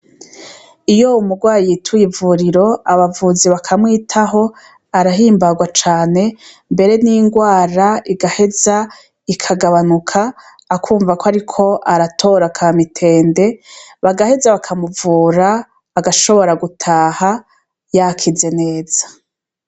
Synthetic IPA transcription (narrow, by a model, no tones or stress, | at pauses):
ijo̞umuɡwaːjiitʰujivuɾiɾo̞aβavuːziβakʰamwiːtʰaɦo̞ | aɾaɦiːmbaɡwat͡ʃaːne̞ | mbe̞ɾe̞niŋɡwaːɾaiɡahe̞za | ikʰaɡaβanukʰaː | kʰuːɱvakoaɾikʰo̞ʔaɾatʰo̞ɾakʰamitʰe̞ːnde̞βaɡahe̞zaβakʰamuvuːɾaː | ɡaʃo̞βo̞ɾaɡutʰaːha | jakʰize̞ne̞ːz̥ḁ